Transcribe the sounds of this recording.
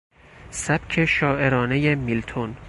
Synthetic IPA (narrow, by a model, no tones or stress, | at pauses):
sæb̥kʰe̞ʃɒːʔeɾɒːne̞je̞milt̪ʰon